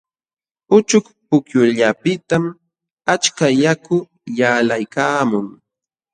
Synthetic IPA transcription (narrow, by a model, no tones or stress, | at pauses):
ʊt͡ʃʊkpʊkjʊʎapɪt̪am | at͡ʃkajakʊ | jaːlajkaːmʊŋ